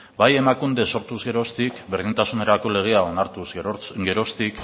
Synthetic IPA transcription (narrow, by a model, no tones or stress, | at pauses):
baje̞makund̪eso̞ɾt̪uzɣe̞ɾo̞st̪ikbeɾðint̪asune̞ɾako̞le̞ɣ̞e̞ao̞naɾt̪uzɡe̞ɾo̞st̪ik